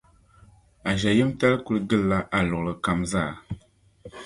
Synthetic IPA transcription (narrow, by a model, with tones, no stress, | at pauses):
a˨ʒa˨ji˦mta˦lku˦lɡɨ˦lːa˦ʔa˨lɔ˨ɣlɨ˨ka˨mzaː˦˨